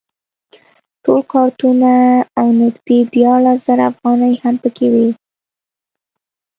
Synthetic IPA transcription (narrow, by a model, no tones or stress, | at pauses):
ʈolkɑɾt̪unaːwnɪɡd̪ed̪jɑɾlasz̥aɾaafɣɑnəjhampəkʰewi